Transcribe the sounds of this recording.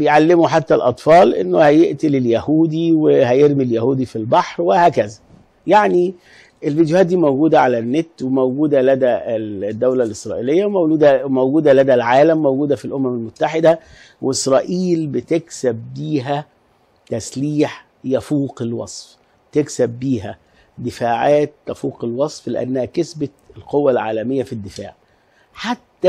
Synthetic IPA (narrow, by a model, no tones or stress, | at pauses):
bejʕalːemuħat̪ːælʔɑt̪ˤfɑːlʔḛnːohæjeʔt̪eleljæhuːd̪iwehæjeɾmiljæhuːd̪ifilbɑħɾwehæːkæzæ | jaʕni | ʔelviːd̪jʊhæːt̪̚d̪iːmowɡuːd̪æʕalænːet̪wemowɡuːd̪ælæd̪æd̪ːæwlælʔɪsɾˤɑ̰ːʔilejːæmowluːd̪æmowɡuːd̪ælæd̪ælʕaːlæmːowɡuːd̪æfilʔomæmelmʊt̪ːaħɪd̪æ | wʔeʔɪsɾˤɑːʔiːlbɪt̪eksæb̚ːiːɦæ | t̪æsliːħ | jæfuːqelwɑ̰sˤf | t̪eksæbːiːɦæ | d̪ɪfaːʕaːt̪̚ːæfuːqelwɑsˤflɪ̰ʔæ̰nːæhækesbæ | lqowːælʕa̰ːlæmɪjːæfid̪ːɪfaːʕ | ħat̪ːæ